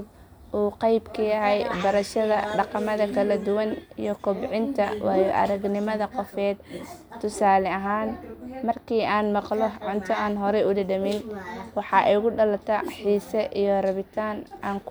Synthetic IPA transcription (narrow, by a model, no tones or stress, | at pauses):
b | ʔuːqɑjbkʰɐjɐɦɛjbɐɾɐʃɐðɐ̰ɖɑqɑmɐðɐkʰɐlɐd̪ʊwɐnḭjɔkʰʊbʕɪnt̪ʰɐ̰wʔɑːjɔʔɐ̰ɾɐɡnɪmɐðɐqɔfɛːd̪t̪ʰːʊsaːlɛɐɦaːnmɐrkʰiːʔaːnmɑqlɔʕʊnt̪ʰɐaːnɦɔɾɛʔʊd̪ɐdɐmɪnwɑħɑʔɛjɣʊɖɐlɐt̪ʰɐħiːsɛʔijɔrɐβɪt̪ʰaːnʔaːŋk